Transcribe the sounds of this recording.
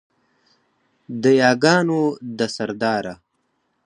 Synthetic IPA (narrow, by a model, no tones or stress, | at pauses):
d̪əjɑːɡɑːnod̪əsaɾd̪ɑːɾa